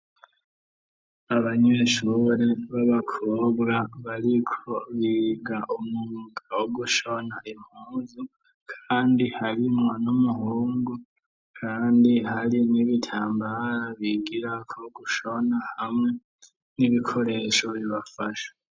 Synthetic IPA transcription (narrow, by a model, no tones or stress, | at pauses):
aβaɲe̞ʃuɾe̞βaβakʰoːβɡaβaɾikʰo̞βiɡaʔumŋuːɡawoɡuʃonaʔim̥huːnzi | kʰaːndihaɾimŋo̞numuhuːŋɡu | kʰaːndihaɾiniβitʰaːmbaɾaβiɡiɾakʰoɡuʃonahamŋe̞ | niβikʰo̞ɾe̞ːʃo̞βiβafaʃḁ